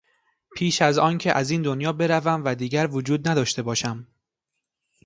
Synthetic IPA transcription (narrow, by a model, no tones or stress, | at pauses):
pʰiːʃæzɒːncʰe̞ʔæziːnd̪onjɒːbe̞ɾævæmvæd̪iːɟæɾvod͡ʒuːd̪̚næd̪ɒːʃt̪e̞bɒːʃæm